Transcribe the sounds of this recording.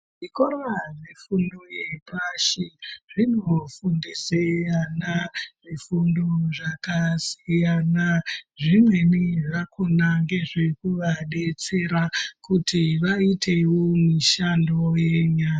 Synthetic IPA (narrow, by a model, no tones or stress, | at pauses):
ʐikoɾaʐefundoje̞paʃiʐinofundisejanaʐifundoʐakasijanaʐimwe̞niʐakonaŋɡe̞ʐe̞kuʋaɗe̞t͡se̞ɾakutiʋaitʰe̞womiʃandoje̞ɲaː